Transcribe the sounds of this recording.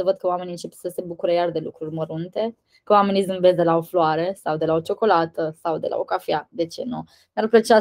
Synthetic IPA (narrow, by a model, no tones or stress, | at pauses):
əvəd̪̚kəoameniɨnt͡ʃepsəse̞bukuɾəjard̪e̞lṵkɾurʲməɾunt̪e̞ | kəwame̞nizɨnvezd̪e̞lao̞floaɾe̞sawd̪e̞laot͡ʃo̞ko̞lat̪əsawd̪e̞̰lʔa̰o̰kafiad̪e̞t͡ʃe̞̰nu | narpət͡ʃa